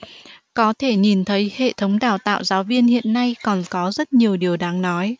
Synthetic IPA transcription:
kɔ˨˦t̪ʰe˧˩ɲi˨˩nt̪ʰə˨˦jhḛ˧˨t̪ʰə˨˦wŋ͡mɗa̰ː˧˨wt̪a̰ː˧˨wzaː˨˦wvi˧ənhḭ˧˨ənːa˧jkɔ˨˩nkɔ˨˦zə˦˥t̚ɲi˨˩əwɗi˨˩əwɗaː˨˦ŋnɔ˨˦j

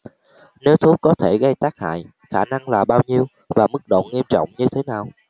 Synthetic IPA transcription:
ne˨˦wt̪ʰu˨˦kɔ˨˦t̪ʰe˧˩ɣə˧jt̪aː˦˥k̚ha̰ː˧˨j | xaː˧˩na˧ŋlaː˨˩ɓaː˧wɲi˧əw | vaː˨˩mɨ˦˥k̚ɗo̰˧˨nŋi˧əmt͡ɕɔ̰˧˨wŋ͡mɲɨ˧t̪ʰe˨˦naː˨˩w

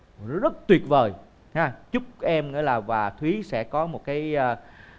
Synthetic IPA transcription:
zə˦˥t̚t̪wi˨˩ət̚vəː˨˩j | haː˧t͡ɕʊ˦˥k͡p̚ʔɛ˧mŋḭ˧˥əjlaː˨˩vaː˨˩t̪ʰwi˨˦sɛ̰˧˥kɔ˨˦mo˨˩t̚kaː˨˦jː

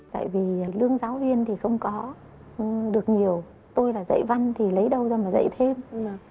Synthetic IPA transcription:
t̪a̰ː˧˨jvi˨˩˨lɨ˧əŋzaː˨˦wvi˧ənt̪ʰi˨˩xə˧wŋ͡mkɔ˨˦˨ | ɗɨ˨˩ək̚ɲi˨˩əw | t̪o˧jlaː˨˩zə̰˧˨jva˧ŋt̪ʰi˨˩lə˨˦jɗə˧wzaː˧maː˨˩zə̰˧˨jt̪ʰe˧m

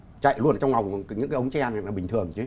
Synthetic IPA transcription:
t͡ɕa̰˧˨jlu˧ən˨t͡ɕɔ˧wŋ͡mla˨˩wŋ͡mɲɨ̰˧˥ŋkaː˦ʔə˨˦wŋ͡mt͡ɕɛ˧na˨˩maː˨˩ɓï˨˩ŋ̟t̪ʰɨ˨˩əŋt͡ɕɨ˨˦

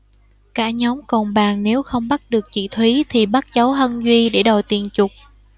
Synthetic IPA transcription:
kaː˧˩ɲɔ˨˦wŋ͡mkɔ˨˩nɓaː˨˩ŋne˨˦wxə˧wŋ͡mɓa˦˥t̚ɗɨ˨˩ək̚t͡ɕḭ˧˩˨t̪ʰwi˨˦t̪ʰi˨˩ɓa˦˥t̚t͡ɕə˨˦wɦə˧nzwi˧ɗe˧˩ɗo˨˩jt̪i˨˩ənt͡ɕʊ˨˩k͡p̚

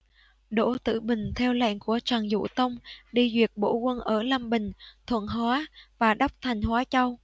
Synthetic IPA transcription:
ɗo̰˧˥˨t̪ɨ̰˧˨ɓï˨˩ŋ̟t̪ʰɛ˧wla̰˧˨ŋku˧˩ət͡ɕaː˨˩ŋzṵ˧˥˨t̪ə˧wŋ͡mɗi˧zwi˨˩ət̚ɓo̰˧˥kwə˧nʔəː˧˩la˧mɓï˨˩ŋ̟t̪ʰwə̰˧˨nɦwaː˨˦vaː˨˩ɗa˦˥wk͡p̚t̪ʰa˨˩jŋ̟hwaː˨˦t͡ɕa˧w

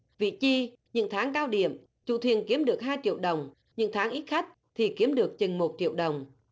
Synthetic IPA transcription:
vḭ˧˨t͡ɕi˧ | ɲɨ̰˧˥ŋt̪ʰaː˨˦ŋkaː˧wɗḭ˧˨əm | t͡ɕṵ˧˨t̪ʰi˨˩ənki˨˦əmɗɨ˨˩ək̚ɦaː˧jt͡ɕḭ˧˨əwɗə˨˩wŋ͡m | ɲɨ̰˧˥ŋt̪ʰaː˨˦ŋʔi˦˥t̚xa˦˥jk̟̚t̪ʰi˨˩ki˨˦əmɗɨ˨˩ək̚t͡ɕï˨˩ŋmo˨˩t̚t͡ɕḭ˧˨əwɗə˨˩wŋ͡m

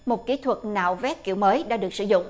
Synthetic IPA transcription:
mo˨˩t̚ki˨˦t̪ʰwə˨˩t̚na̰ː˧˨˩wvɛ˦˥p̚ki˧˩əwməː˨˦jɗa̰ː˧˥ɗɨ˨˩ək̚sɨ˧zʊ̰˧˨ŋ͡m

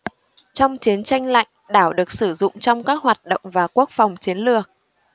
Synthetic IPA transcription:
t͡ɕɔ˧wŋ͡mt͡ɕi˨˦ənt͡ɕa˧jŋ̟la̰˧˨jŋ̟ɗaː˧˩wɗɨ˨˩ək̚sɨ˧˩zʊ̰˧˨ŋ͡mt͡ɕɔ˧wŋ͡mkaː˦˥k̚hɦwaː˨˩t̚ɗo̰˧˨wŋ͡mvaː˨˩ku˦˥ək̚fɔ˨˩wŋ͡mt͡ɕi˨˦ənlɨ˨˩ək̚

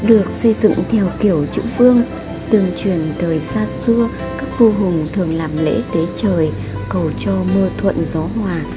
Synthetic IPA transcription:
ɗɨ˨˩ək̚sə˧jzɨ̰˧˨ŋt̪ʰɛ˧wki˧˩əwt͡ɕɨ̰˧˥vɨ˧əŋ | t̪ɨ˨˩əŋt͡ɕwi˨˧˩ənt̪ʰəː˨˩jsaː˧sɨ˧ə | kaː˦˥k̚vu˧ɦʊ˨˩ŋt̪ʰɨ˨˩əŋlaː˨˩mlḛ˧˥t̪e˨˦t͡ɕəː˨˩j | kə˨˩wt͡ɕɔ˧mo˧t̪ʰwə̰˧˨nzɔ˨˦ɦwaː˨˩

